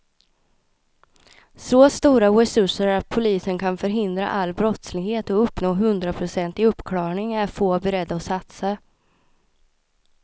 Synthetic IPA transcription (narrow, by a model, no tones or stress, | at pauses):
soːst̪uːɾawɛsɵʂəɾɾat̪̚pʰʊliːsənkʰanfœɾɦɪnd̪ɾa̰ʔalːbɾɔt̪slɪɡheːt̪ɔɵpːnoːɦɵnd̪ɾapʰɾʊsɛnt̪ɪɵpːkʰlɑːɳɪŋæɾfoːbɛɾɛd̪ːaɔsat̪sa